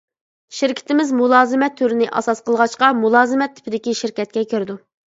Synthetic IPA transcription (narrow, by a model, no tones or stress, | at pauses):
ʃiɾkʲʰɪ̥t̪ɪmɪzmulˠɑːzɨmɛt̪ʰːyɾɪnɪʔɑ̰sɑsqʰəlˠʁɑʃqɑmulˠɑːzɨmɛt̪ʰːɪ̥pʰɪd̪ɪkʲiʃɪɾkʲɛt̪̚kʲɛkʲʰøɾɪd̪u